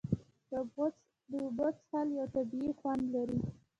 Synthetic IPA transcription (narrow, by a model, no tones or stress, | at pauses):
d̪̥əbɣʊ | d̪əbət͡shaljawt̪abiexwand̪laɾi